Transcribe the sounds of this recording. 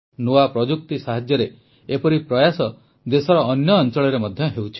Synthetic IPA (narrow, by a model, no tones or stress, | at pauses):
noapɾɔd͡ʒuk̚t̪isaɦad͡ʒjɔɾe | epɔɾipɾɔjasɔ | d̪esɔɾɔːnjɔːnt͡ʃɔɭɔɾemɔd̪ʱjɔɦewt͡ʃʰi̥